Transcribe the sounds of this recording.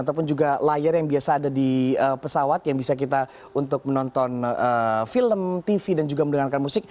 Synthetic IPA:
at̪̬ap̬ʊnd͡ʒuɡalajarjaŋbiasaːdadiəpəsawat̪jaŋbisak̬it̪a | unt̪ʊk̚mənɔnt̪ɔnəfiləmt̪ifidand͡ʒuɡaməndəŋarkanmusɪk̚

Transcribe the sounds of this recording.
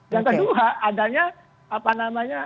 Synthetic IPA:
daŋkəduaadaɲa | apanamaɲa

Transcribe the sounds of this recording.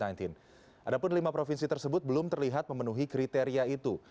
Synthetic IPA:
ant̪in | ʔadapʊnlimapɾofinsit̪ərsəbʊt̪̚bəlʊmt̪ərliɦat̪̚məmənuɦikɾit̪eɾiait̪u

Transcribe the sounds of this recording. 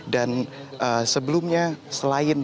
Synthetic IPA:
danʔəsəbəlumɲasəlaɪn

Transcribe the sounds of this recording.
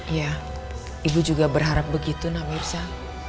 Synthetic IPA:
ja | ibud͡ʒuɡabərɦaɾap̚bəɡit̪unamirsa

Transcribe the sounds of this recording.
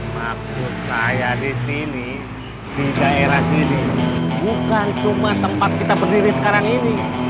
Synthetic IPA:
maksʊt̪̚kajadisini | t̪iɡaeɾasinibukant͡ʃumat̪əmpat̪̚kit̪abərdiɾisə̥kaɾaŋini

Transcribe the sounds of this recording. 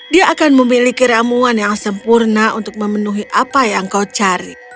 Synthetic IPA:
diaʔːkanməmilikiɾamuanjaŋsəmpurnaʔunt̪ʊk̚məmənuɦiʔapajaŋkat͡ʃaɾi

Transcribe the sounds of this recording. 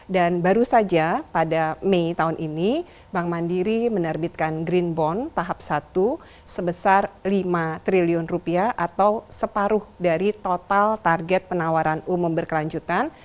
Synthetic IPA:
danbaɾusad͡ʒapadameit̪aunʔini | baŋmandiɾimənərbit̪̚kanɡɾinbɔnt̪aɦap̚sat̪u | səbəsarlimat̪ɾiliʊnrupiaʔat̪awsəpaɾʊhdaɾit̪ot̪alt̪arɡɛt̪̚pənawaɾanumumbərkəlaɲd͡ʒut̪an

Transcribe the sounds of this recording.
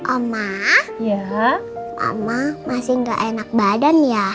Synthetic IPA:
ʔamaja | ʔa̰mamasɪŋɡa̰ʔenak̚badanja

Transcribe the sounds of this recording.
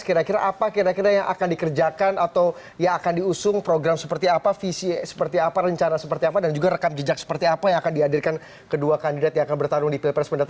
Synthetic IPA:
kiɾakiɾaʔapakiɾakiɾajaŋʔa̰kandikərd͡ʒakanat̪aw | jaŋakandiusʊŋpɾoɡɾamsəpərt̪iapafisisə̥pərt̪iapaɾəɲt͡ʃanasəpərt̪iapadand͡ʒuɡaɾəkamd͡ʒəd͡ʒak̚sə̥pərt̪iapajaŋakandiadirkan | kəduakandidat̪jaŋakanbərt̪aɾʊŋdipilpɾɛspəndat̪a

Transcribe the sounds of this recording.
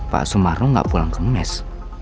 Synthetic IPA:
pa̰ʔsumaɾʊŋɡa̰ʔpulaŋkəŋɛs

